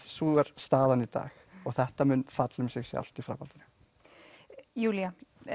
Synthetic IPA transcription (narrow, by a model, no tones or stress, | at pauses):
suːɛɾ̥st̪aːðanit̪a̰ːx | ɔɣθɛht̪amʏnːfat̪lʏmsɪɣsɛ̰a̰l̥t̪ifɾa̰ːpalt̪ʏnʏ̥ | juːlija